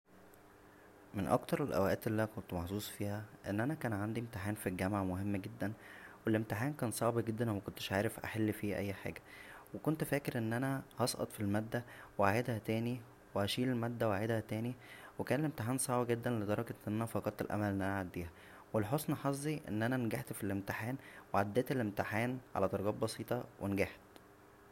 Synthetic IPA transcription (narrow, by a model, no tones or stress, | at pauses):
menʔɑ̰kt̪ɑɾˤelʔæ̰wæʔæːt̪elːikont̪mɑħsˤuːsˤfiːhæʔenːʔænækæːnʕand̪iemt̪eħaːnfilɡæmaʕmohemːɡed̪ːænwelʔemt̪eħaːnkæːnsˤɑʕbiɡed̪ːænwmækont̪e̥ʃʕaːɾefʔa̰ħelːfiːʔæ̰jːħa̰ːɡæ̥wekont̪fæːkeɾʔenːʔænæhɑsˤʔɑ̰t̪ˤfilmæːd̪ːæweʕajed̪hæt̪æːni | wehæʃiːlelmæd̪ːæwaed̪hæt̪æːniwekæːnelʔemt̪eħaːnsˤɑʕbiɡed̪ːænled̪ˤɑɾˤɑɡɑnːʔænæfɑɡɑt̪ːelʔæ̰mælʔenʔænæʕad̪ːiːhæ | welħosˤnɑħɑzˤːiʔḛnːʔænænɡaħt̪filʔemt̪eħaːnweʕad̪ːæːt̪elʔemt̪eħaːnʕa̰læt̪ɑɾˤɡɑːt̪̚bɑsiːt̪ˤɑwʔenɡaħt̪